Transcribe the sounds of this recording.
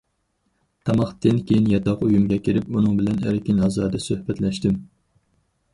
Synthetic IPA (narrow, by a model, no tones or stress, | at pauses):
t̪ʰɑmɑχt̪ʰɪnkʲejinjɑt̪ɑqujumɡʲɛkʲʰiɾɪpunɨŋbɪlɛnæ̰ɾkʲɪnɑzɑːd̪ɛsøhbɛt̪lɛʃt̪ɪm